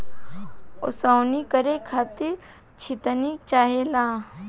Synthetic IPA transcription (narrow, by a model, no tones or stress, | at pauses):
o̰sawnikəɾekʰaːt̪iɾ | t͡ʃʰit̪ənit͡ʃaːɦelaː